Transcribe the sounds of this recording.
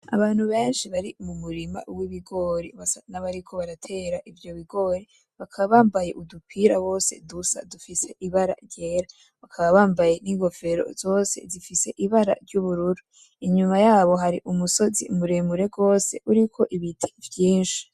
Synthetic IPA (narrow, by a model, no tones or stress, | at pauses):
a̰βaːn̥huβe̞ːnʃiβaɾimumuɾima̰wiβiɡo̞ːɾiβasanaβaɾikʰo̞βaɾatʰe̞ːɾaʔivjo̞βiɡo̞ːɾi | βakʰaβaβaːmbajeʔudukʰiɾaβo̞ːse̞̰dusa̰dufise̞ʔiβaɾa̰ɾɟe̞ːɾa | βakʰaβaβaːmbajeniɡo̞fe̞ɾo̰zo̞ːse̞̰zifise̞ʔiβaɾa̰ɾɟuβuɾuɾu | iɲumajaːβo̞ɦaɾiʔumuso̞zḭmuɾeːmuɾe̞ɡo̞ːse̞̰ʔuɾikʰo̞ʔiβitʰi̥vjiːnʃi̥